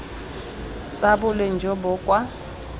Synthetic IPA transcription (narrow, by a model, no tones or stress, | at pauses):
t͡sʼabʊlen̩d͡ʒʱɔbʊkʼwa